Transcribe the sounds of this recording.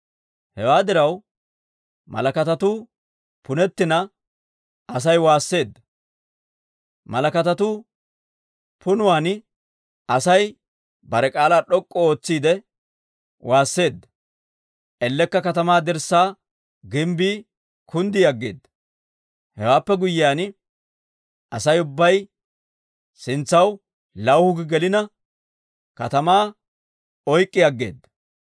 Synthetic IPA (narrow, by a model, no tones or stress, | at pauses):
hɛwaːd̪ɪɾɐw | mɐ̰lɐkɐt̪ɐt̪ʊ | pʊnɛt̪ːɪnɐ | ɐs̬ɐjwaːsːe̞ːd̪ːɐ | mɐlɐkɐt̪ɐt̪ʊ | pʊnʊwaːn | ɐsɐj | bɐɾɛkʼaːlaːɗɔkʼːɔoːt͡sːiːd̪ɛ | wʔaːsːe̞ːd̪ːɐ | ʔɛlːɛkːɐkɐt̪ɐmaːd̪ɛɾsːaː | ɡɪmbiː | kʰʊnd̪ɪjɐɡːe̞ːd̪ːɐ | hɛwaːpːɛɡʊjːɪaːn | ɐsɐjʊbːɐj | sɪnt͡sːɐw | lɐwhʊɡɪɡɛlɪnɐ | kɐt̪ɐmaː | ɔjkʼːɪjɐɡːe̞̰ːd̪ːɐ